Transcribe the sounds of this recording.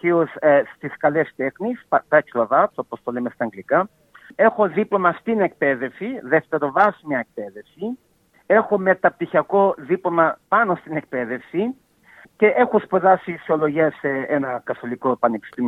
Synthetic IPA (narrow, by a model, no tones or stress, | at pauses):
iosst̪iskɐlest̪e̞xnispt̪ɐcilɐðɐt̪opost̪olemest̪ɐːŋɡlikɐ | e̞xo̞ðiplomɐst̪inek̚peðe̞fsiðeft̪e̞ɾo̞vɐzmɐek̚pe̞ðe̞fsi | e̞xo̞me̞t̪ɐp̚t̪içiɐko̞ðiplomɐpɐnost̪inek̚pe̞ðe̞fsi | ce̞ʔe̞xospeðɐsisiolo̞ʝiɐseenɐkɐθo̞likoepɐnepi̥st̪im